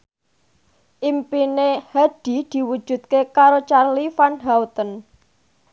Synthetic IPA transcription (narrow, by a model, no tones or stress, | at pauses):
ʔimpinehaɖ̪̥i̤d̪̥i̤wu̥ʒ̥ṳt̪̚kekaɾot͡ʃarlifanɦaut̪ən